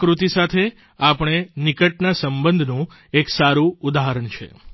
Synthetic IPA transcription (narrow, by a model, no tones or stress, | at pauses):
kɾut̪isat̪ʰe | apəɳ̃enɪkəʈnasəmbənd̪ʱnũ | eksaɾuud̪aɦəɾəɳt͡ʃʰḛ